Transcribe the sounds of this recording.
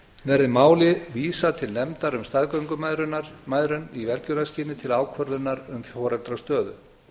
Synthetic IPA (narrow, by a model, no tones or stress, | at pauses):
vɛɾðɪmaːwlɪviːsat̪ʰɪlnɛmt̪aɾʏmst̪aðkœɥŋkʏmaɾʏmajðɾʏnivɛlcʏɾasciːnɪt̪ʰɪlaːwkʰvœɾðʏnːaɾʏmfjɔːɾɛlt̪ɾast̪œːðʏ